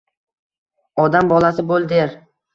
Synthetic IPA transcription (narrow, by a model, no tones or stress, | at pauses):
ɒd̪ambɒlˠasɪbolˠd̪eɾ